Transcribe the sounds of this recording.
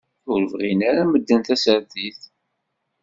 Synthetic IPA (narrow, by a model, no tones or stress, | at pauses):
ʊɾəvʁinaɾaməd̪ːənt̪æsəɾθiθ